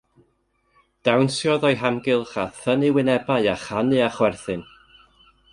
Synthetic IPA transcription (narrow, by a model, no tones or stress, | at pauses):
d̥awnsjɔðɔjɦamɡɪlˠχaθənɨwɪnɛbaɨaχanɨaχwɛrθɨn